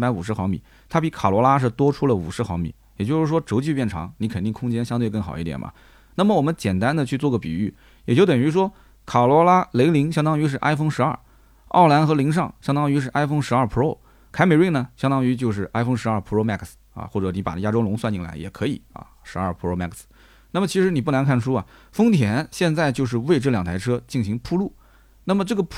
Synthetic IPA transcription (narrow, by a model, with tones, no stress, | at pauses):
pa˧˥ɪu˨˩ʂ̬ɻ̩˥xwɑ˧˥ŋmḭ˨˩˦ | t̪ʰa˥pi˧˥kʰa˨˩lwɔ˧˥la˥ʂ̬ɻ̩˥˩t̪wɔ˥ʈ͡ʂʰu˥lə˨ṵ˨˩ʂɻ̩˧˥xwɑ˧˥ŋmḭ˨˧˩jɛ˨˩t͡ɕjo˥˧ʊʂɻ̩˥˩ʂwɔ˥ʈ͡ʂo˧˥ʊt͡ɕy˥˧pjɛ˥˩nʈ͡ʂʰɑ̰˧˥ŋni˧˥kʰə˨˩nt̪i˥˩ŋkʰʊ˥ŋt͡ɕjɛ˥nɕjɑ˥ŋt̪̬we˧ɪk̬ɤ˥˩ŋxɑ˨˩ʊi˥˩jɛ̰˨˩nmɐ̰˩ | na˥˩mə˩wɔ˨˩mə˦nt͡ɕjɛ˨˩nt̪a˥nd̪ə˨t͡ɕʰy˥˧t͡swɔ˥˩ɡə˩pi˨˩y˥˩ | jɛ˨˩t͡ɕjo˥˩ʊt̪ə˨˩ŋy˧˥ʂ̬wɔ˥ | kʰa˨˩lwɔ˧˥la˥le˧˥ɪli˧˥ŋɕ̬jɑ˥ŋt̪ɑ˥ŋy˧˥ʂ̬ɻ̩˥˩˧ʔa˥ɪfo˥˧ŋʂɻ̩˧˥ɐ˞˥˩ | ɑ̰˥˩ʊla˧˥nxɤ˧˥li˧˥ŋʂ̬ɑ˥˧ŋɕjɑ˥ŋt̪ɑ˥ŋy˧˥ʂ̬ɻ̩˥˧ʔa˥ɪfɤ˥ŋʂɻ̩˧˥ɐ˞˥˩pʰu˧˥o˥˩ʊ | kʰa˥ɪme˧˥ɪwi˥˩nə˩ɕjɑ˥ŋt̪ɑ˥ŋy˧˥t͡ɕjo˥˧ʊʂ̬ɻ̩˥˩ʔa˥ɪfo˥ŋʂɻ̩˧˥ɐ˞˥˩pʰu˧˥˧ʊma̰˥˩ksɐ̰˧xwɔ˥˩ʈ͡ʂɤ˧˥ni˧˥pa̰˨˩n˩ja˥ʈ͡ʂo˥lʊ˧˥ŋswa˥˧nt͡ɕi˥˩ŋla̰˧˥ɪjɛ̰˨˩kʰɤ˧˥ḭ˨˩˦ɐ̰˧ʂɻ̩˧˥ɐ˞˥˩pʰu˧˥˧ʊma̰˥˩ks̩˩ | na˥˩mə˩t͡ɕʰi˧˥ʂɻ̩˧˥ni˨˩p̬u˥˩na˧˥nkʰa˥˩nʂu˥ɐ˨fɤ˥ŋt̪ʰjɛ˧˥nɕjɛ˥˧nt͡sa˥˧ɪt͡ɕjo˥˧ʊʂ̬ɻ̩˥˧we˥˧ɪʈ͡ʂɤ˥˩ljɑ˨˩ŋt̪ʰɪʈ͡ʂʰɤ˥t͡ɕi˥˩ŋɕi˧˥ŋpʰu˥˧lu˥˩ | na˥˩mə˩ʈ͡ʂɤ˥˩ɡə˩